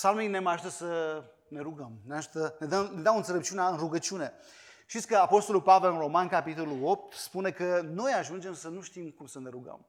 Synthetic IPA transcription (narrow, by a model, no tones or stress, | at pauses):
psalmejne̞maʒut̪əsə | ne̞ɾuɡəmneaʒut̪əned̪əmned̪amɨnselep̚t͡ʃiunaɨnruɡət͡ʃiune̞ | ʃt̪it̪ʲkəapo̞st̪o̞lulpave̞lɨnro̞mankapit̪o̞lulo̞p̚t̪spune̞kəno̞jaʒund͡ʒe̞msənuʃt̪imkumsəne̞ɾuɡə̰m